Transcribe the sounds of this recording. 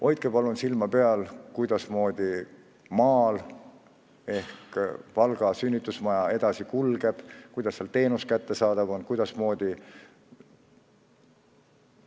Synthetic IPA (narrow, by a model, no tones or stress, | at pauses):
o̞jt̪̚kepɑlunsilmɑpeɑlkujd̪ɑsmo̞ːd̪̥ʲi | mɑːl | e̞hkvɑlɡ̥ɑsynʲːit̪ːˑusmɑjɑe̞d̪̥ɑsikulɡ̥e̞b̥kujd̪̥ɑsːeɑlt̪e̞ːnuskæt̪ːe̞sɑːd̪̥ɑvo̞nkujd̪̥ɑsmo̞ːd̪̥i